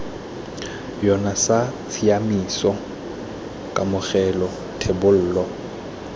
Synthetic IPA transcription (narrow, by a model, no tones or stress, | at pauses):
jɔnasasiamisɔ | kʼamʊɣɛlɔ | tʰebʊl̩ːlɔ